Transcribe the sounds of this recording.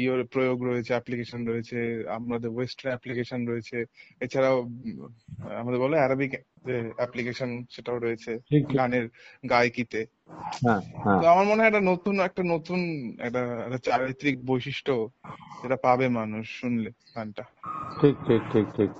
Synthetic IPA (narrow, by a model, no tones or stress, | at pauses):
ioɾpɾojoɡɾoet͡ɕʰeɛplikeʃonɾojet͡ɕʰea̰mɾad̪eɾwesʈaɾnɛplikeʃonɾoet͡ɕʰeet͡ɕʰaɾao | a̰mad̪eɾbɔleaɾabik | d͡ʑeɛplikeʃonʃeʈaoɾojet͡ɕʰeʈʰikaneɾɡajkit̪e | ɦɛ̃ɦt̪oamaɾmoneɦeɛkʈanot̪unɛk̚ʈanot̪unɛ̰k̚ʈaɛ̰ʈat͡ɕaɾijt̪ɾik̚bojʃiʃʈʰod͡ʑeʈapabemanuʃːunle | k̪anʈaʈʰik̚ʈʰik̚ʈʰik̚ʈʰik̚